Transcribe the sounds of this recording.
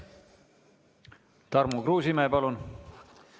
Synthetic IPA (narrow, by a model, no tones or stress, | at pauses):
t̪ɑrmukruːsimæepɑlun